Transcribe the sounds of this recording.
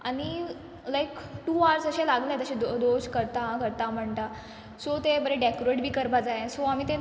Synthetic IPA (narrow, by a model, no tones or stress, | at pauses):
aɽ̃i | lajkʈuːaɾsəɕẽlaɡləjt̪əɕẽd̪od̪od͡ʑkəɾt̪akəɾt̪am̤əɳt̪a | sot̪ebəɾeɖekoɾeʈbʱiːkəɾbad͡zaesɔamiːt̪ẽ